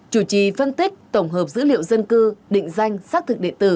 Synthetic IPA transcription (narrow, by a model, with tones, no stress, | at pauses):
t͡ɕu˧˩t͡ɕi˨˩fə˧nt̪i˦˥k̚t̪ə˧˩wŋ͡mɦəː˨˩p̚zɨ̰˧˥lḭ˧˨ə˨wzə˧nkɨ˧ɗḭ̈˧˨ŋ̟za˧jŋ̟saː˦˥k̚t̪ʰɨ˨˩k̚ɗḭ˧˨ənt̪ɨ˨˧˩